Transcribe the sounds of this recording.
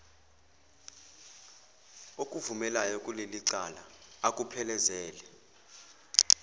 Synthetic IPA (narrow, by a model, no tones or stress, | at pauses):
okʼuvumɛlajɔkʼuleliǀalaakʼupʰɛlɛzɛːlɛ